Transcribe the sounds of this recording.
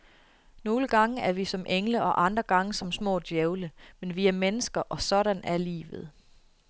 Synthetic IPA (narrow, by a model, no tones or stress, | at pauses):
no̝ːləɡ̥ɑ̈ŋəæɐʋisɒ̽mʔeŋləʔɒ̽ʔɑ̈nd̥ʁɐɡ̥ɑ̈ŋəsɒ̽msmɔ̰̽ːd̥jeʊləmenʋiæɐmenəsɡ̥ɐʔɒ̽sɒ̽ɾænæɐlḭːʋð̞̩ˠ